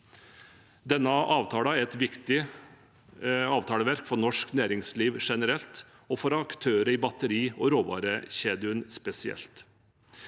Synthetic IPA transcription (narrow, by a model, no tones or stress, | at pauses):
d̪ɛnːəʔɑːʋt̪ʰɑːlɑɛɾɛt̪ʋɪkt̪ɪ | ɑːʋt̪ʰɑːləʋæɾkfɔɾnɔʂknæːɾɪŋsliːʋʂɛnəɾɛlt̪ | ɔfɔɾɑkt̪ʰøːɾəiːbɑt̪əɾiːɔɾoːʋɑ̰ːɾəçeːd̪ɪʉənspɛsɪɛ̰lt̪